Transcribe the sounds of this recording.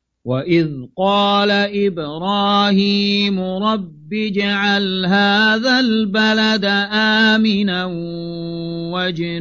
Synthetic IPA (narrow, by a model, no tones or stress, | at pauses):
waʔɪðqɑːlaʔɪbɾɑːhiːmʊɾˤɑbːiːd͡ʒaʕalɦaːðalbalad̪aʔaːmɪna | wad͡ʒn